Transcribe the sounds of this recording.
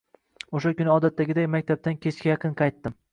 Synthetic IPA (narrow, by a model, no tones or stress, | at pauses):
oʃ̬akʲʊnɪɒd̪at̪ːaɡʲɪd̪ajmakʲt̪ʰab̚t̪ankʲʰe̞t͡ʃkʲajɑqʰɨnqʰɑjt̪ːɪm